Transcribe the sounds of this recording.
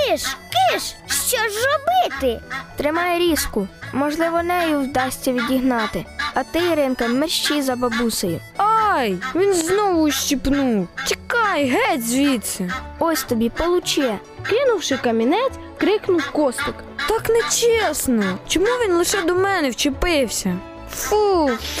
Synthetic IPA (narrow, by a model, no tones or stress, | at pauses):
kɪʃkɪʃʃt͡ʃɔʒrɔbɪt̪ɪt̪ɾɪmɑjɛɾʲiskʊmɔʒlˠɪʋɔnɛjuwd̪ɑsʲtʲːɐʋʲidʲiɦnɑt̪ɪɐt̪ɪjɾɪnkɐmerʃt͡ʃizɐbɐbusɐjʊ | ɑjʋʲinznɔʋʊʃt͡ʃʲipnuwtʲikɑjɦɛtʲzʲʋʲit̪sɛɔsʲt̪ɔbʲipɔlˠʊt͡ʃjɛ | kɪnʊwʃɪkɐmʲinɛt͡sʲ | kɾɪknʊwkɔst̪ɪk | t̪ɑknɛt͡ʃʲesnɔt͡ʃɔmuʋʲinlˠɪʃɛd̪ɔmɛnɛwt͡ʃɪpɪwsʲɐ | fu